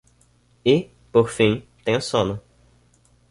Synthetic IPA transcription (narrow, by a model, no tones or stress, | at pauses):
ɪ | poɾfĩt̪ẽj̃ʊsõnʊ